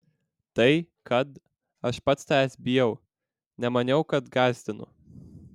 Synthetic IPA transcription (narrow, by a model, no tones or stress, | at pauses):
t̪ɐɪ | kɐt̪ | ɐʃpɐt̪st̪æːsʲbʲɪjɛʊ | nʲɛmɐnʲɛʊkɐt̪ɡɑˑlʲsʲt̪ʲɪnʊ̰